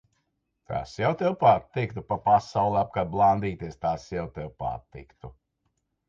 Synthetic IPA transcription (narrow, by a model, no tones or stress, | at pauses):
t̪ʰa̰ːsɛwt̪ɛwpaːt̪ːik̚t̪upapasawlˠɛap̚kad̪̚blˠand̪iːt̪iɛst̪aːsjɛwt̪ʲɛwpa̰ːt̪ːḭkt̪u